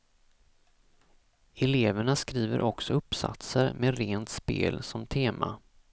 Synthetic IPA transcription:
ɛleːvəɳaskɾiːvəɾʔɔksɔɵpːsa̰t̪səɾmeɾeːnt̪spḛːlsɔmt̪ʰeːma̰

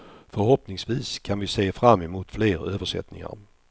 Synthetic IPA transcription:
fœɾɦɔpnɪŋsviːskʰanvɪseːfɾamːɛmuːt̪fleːɾøːvəʂɛ̰t̪nɪ̰ŋa̰ɾ

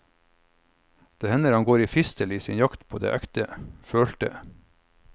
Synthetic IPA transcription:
d̪̥eːhɛnəɾɑŋɡoːɾiːfɪst̪əliːsɪːnjɑkt̪pʰo̰ːd̪ḛːʔækt̪əføːɭt̪ə̰

